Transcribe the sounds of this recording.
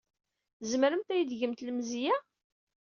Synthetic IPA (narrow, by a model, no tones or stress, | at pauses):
zmɾəmt̪æjəd̪ʝəmt̪ləmzijæ